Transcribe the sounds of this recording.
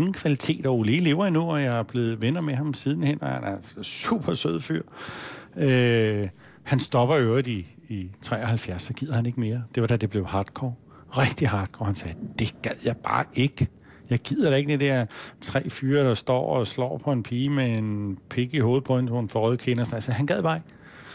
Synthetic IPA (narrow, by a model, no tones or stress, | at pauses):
ŋn̩kʰʋælit͡sʰe̝̰ːd̥ɒʊliːle̝̰ʊɐinuɒjɑ̈ɪæb̥le̝ːð̞̩ˠʋenɐmeɦɑ̈msiðˠn̩hen̰ɒhæ̰næɐsṵːb̥ɐsøð̰ˠfy̰ɐ̰ | ø | hænsd̥ɒ̽b̥ɐøʊʁid̥iːt͡sʰʁɛ̰ːɐhælfjæɐsɒɡ̥ið̰ˠɐhæne̝ɡ̥me̝ːɐd̥e̝ʋɑ̈d̥æd̥e̝b̥le̝ʊhɑ̈ːd̥̚kʰɒ̰ː | ʁɛɡ̥̚d̥ihɑ̈ːd̥̚kʰɒ̰ːhænsɛːd̥e̝ɡ̥æð̰ˠjɑ̈ɪb̥ɑ̰̈ːʔe̝ɡ̥ | jɑ̈ɪɡ̥ið̰ˠɐɾ̥æ̈e̝ɡ̥d̥id̥æɐ̰t͡sʰʁɛ̰ːfyːɐd̥ɾ̥ɑ̈sd̥ɒ̰ːɒslɒ̰ːpʰɒ̽e̝npʰiːmeenpʰe̝ɡ̥iɦo̝ːð̩ˠpʰɒ̽ensoenfɒʁœðˠkʰe̝nɐsn̩ælsɐhænɡ̥æðˠb̥ɑ̈eɡ